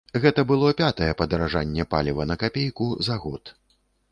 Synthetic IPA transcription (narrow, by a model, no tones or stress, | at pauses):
ɣɛt̪ɐbɨlˠɔpʲat̪ɐjɛpɐd̪ɐɾaʐanʲːɛpa̰lʲivɐnɐkapʲejkuzaɣɔt̪